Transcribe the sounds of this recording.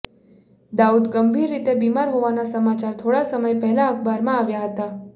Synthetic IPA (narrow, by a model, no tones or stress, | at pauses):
d̪aud̪ɡəmbʱiɾːit̪ebimaɾɦoʋanasəmat͡ʃaɾt̪ʰoɽasəməjpɛɦɛlaəkʰbaɾmãaʋjaɦət̪a